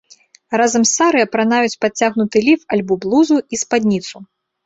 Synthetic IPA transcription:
ɾazɐmsːaɾɨɐpɾanajut͡sʲpat͡sʲaɣnut̪ɨlʲifalʲbɔblˠuzuispad̪ʲnʲit̪su

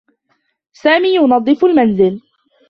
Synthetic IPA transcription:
saːmiːjʊnɑd̪ˤːɨfʊlmanzɪl

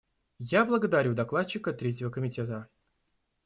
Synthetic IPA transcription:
jablˠəɡəd̪aɾʲud̪aklˠat̪t͡ɕːɪkət̪ɾʲetʲɪvəkəmʲɪtʲet̪ə

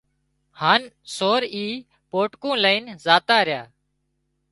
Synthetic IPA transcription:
haːn | soːɾiː | poːʈkõːləiːnzaːt̪aːɾɪjaː

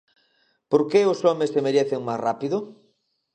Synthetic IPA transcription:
poɾkeʊsɔmesemeɾeθeŋmasrapiðʊ

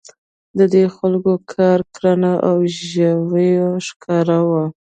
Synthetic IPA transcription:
d̪əd̪exalkokʰɑɾkɾanaʔawʒəwəjoʃkʰɑɾawa

